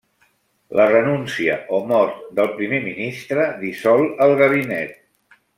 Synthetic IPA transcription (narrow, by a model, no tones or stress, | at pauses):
lʔərənunsiə̰ʔomɔɾt̪d̪əlˠpɾimeminist̪ɾəðisɔlˠəlˠɣəβ̞inɛt̪̚